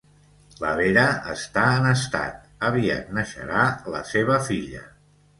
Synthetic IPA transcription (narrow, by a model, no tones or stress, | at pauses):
ləβeɾəə̰st̪aənəst̪a̰t̪̚əβia̰t̪̚nəʃə̰ɾalə̰seβ̞əfiʎə